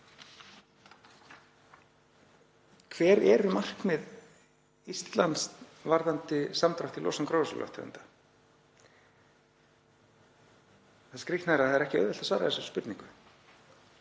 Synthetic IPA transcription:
kʰvɛːɾɛɾʏmar̥kmɪð | ist̪lanst̪vaɾðant̪ɪsamt̪ɾawht̪ilɔ̰sankɾowsa̰lɔ̰wht̪ʰːʏ̰nt̪ḁ | θaskɾiht̪naɾaðaðɛɾɛhcɪœ̰ðvɛl̥t̪asvaːɾa̰ðɛsʏ̥spʏt̪niŋkʏ

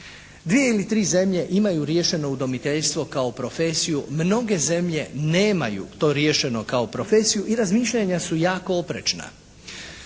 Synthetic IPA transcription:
d̪ʋije̞ilit̪ɾiːze̞mʎe̞ʔimajuɾje̞ʃe̞no̞ud̪o̞mit̪eʎst̪ʋo̞kao̞pɾo̞fe̞sijumno̞ɡe̞ze̞mʎe̞neːma̰jṵt̪o̞ːɾje̞ːʃe̞no̞kao̞pɾo̞fe̞sijuʔiɾazmiːʃʎaɲasujaːkoopɾḛt͡ʃna̰

